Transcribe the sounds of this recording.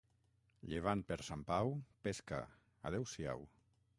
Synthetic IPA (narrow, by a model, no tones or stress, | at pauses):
ʎeβ̞ant̪̚peɾsampawpeska̰ | a̰ðɛwsia̰w